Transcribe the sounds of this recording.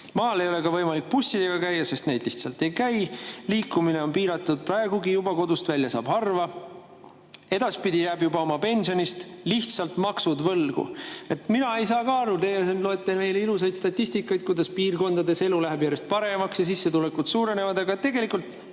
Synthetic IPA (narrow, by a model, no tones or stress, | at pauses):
mɑːle̞jo̞le̞kɑvɤ̞jmɑlik̚pusʲːid̪̥e̞ɡ̥ɑkæjːɑse̞st̪ne̞jd̪liht̪sɑlt̪e̞jkæjliːkːˑumine̞o̞npiːɾɑt̪ːˑud̪̥̚prɑeɡ̥uɡijubɑko̞d̪ust̪vælʲːjɑsɑ̰ːb̥hɑrvɑ | e̞d̪̥ɑspid̪ʲijæːbjubɑo̞mɑpe̞nsio̞nist̪liht̪sɑlt̪mɑksud̪vɤlɡ̥ṵe̞t̪minɑe̞js̬ɑːkɑɑɾut̪e̞ɡe̞lis̬e̞lt̪lo̞e̞t̪ːˑeme̞jleilusɑjd̪̥st̪ɑt̪ʲːisʲt̪ikːˑɑjt̪̚kujd̪ɑspiːrko̞nd̪̥ɑd̪e̞se̞lulæɦebjæːɾe̞st̪̚pɑɾe̞mɑksjɑs̬isːe̞t̪ule̞kːut̪suːɾe̞ne̞vɑd̪ɑɡɑet̪ːe̞ɡe̞likːˑult̪